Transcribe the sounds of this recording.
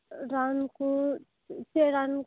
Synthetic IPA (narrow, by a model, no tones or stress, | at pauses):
ɾanku | t͡ʃeɾan